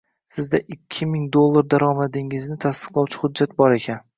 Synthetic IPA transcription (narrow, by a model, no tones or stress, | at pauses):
sɪzd̪aʔɪkʲʰːɪmɪŋd̪olˠːaɾd̪aɾɒmad̪ɪŋɪznɪt̪ʰast̪ɨ̥qlˠawt͡ʃʰɪ̥hʊd̪ːat̪̚bɒɾekʲʰan